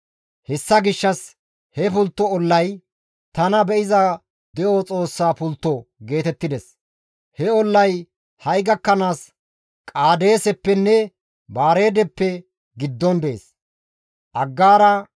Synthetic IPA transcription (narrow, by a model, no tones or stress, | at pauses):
hɛsːɐɡɪʃːɐs | hɛpʊlt̪ːɔɔlːɐj | t̪ɐnɐbɛʔɪzɐ | d̪ɛʔot͡sʼo̞ːsːaːpʊlt̪ːɔɡe̞ːt̪ɛt̪ːɪd̪ɛs | hɛɔlːɐj | hɐjɡɐkːɐnaːs | kʼaːd̪e̞ːsɛpːɛnːɛ | baːɾe̞ːd̪ɛpːɛ | ɡɪd̪ːɔnd̪eḛːs | ʔɐɡːaːɾɐ